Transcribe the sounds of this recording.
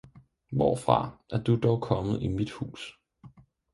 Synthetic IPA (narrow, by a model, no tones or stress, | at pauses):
ʋɒ̰fʁɑ̈ʔæɐd̥ud̥ɒʊkʰɒ̽mð̩ˠimid̥hṵːs